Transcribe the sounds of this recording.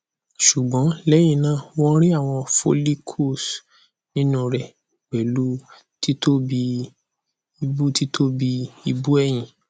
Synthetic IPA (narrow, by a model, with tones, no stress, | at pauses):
ʃu˨ɡ͡bɔ̃˨˦lɛ˦j̃ĩ˦˨nãː˦˨wɔ̃˦ɾ̃ĩ˦a˦˨w̃ɔ̃˧fo˧li˦kʰo˦˨s | nĩ˦nũ˦ɾɛ˨ | ɡ͡bɛ˨lu˨˦ | ti˦to˦bi˧ | i˧bu˦ti˦tʰo˦bi˧i˧bu˦ɛ˦˨j̃ĩ˨